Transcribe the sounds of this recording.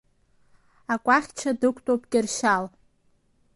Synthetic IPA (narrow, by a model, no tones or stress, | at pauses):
akʷʼaχʲt͡ʃʰadɨkʷʰʼtʼopʼkʲʼɪrʃal